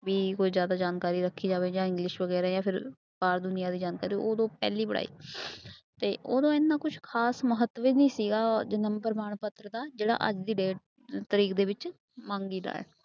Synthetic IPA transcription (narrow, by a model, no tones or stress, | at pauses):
ʋiːkoːiːzjaːd̪aːd͡ʒaːnkaːɾiːɾəkʰːiːd͡ʒaːʋeːd͡ʒãːɪŋɡlɪʃʋəɡɛːɾaːjãːpʰɪɾ | kaːɾd̪ʊnɪjaːd̪iːd͡ʒaːnkaːɾioːd̪õːpɛ̰ːliːbəɽa̰ːiː | t̪eːoːd̪õːɪnːaːkʊt͡ʃʰkʰaːsməɦət̪ːʋeːnĩːsiːɡaːd͡ʒənəmpəɾmaːɳpət̪ːɾd̪aːd͡ʒeːɽa̰ːʔəd͡ʒd̪iːɖeːʈ | t̪əɾiːkd̪eːʋɪt͡ʃ | mãːŋɡiːɾa̰ːɛ̰ː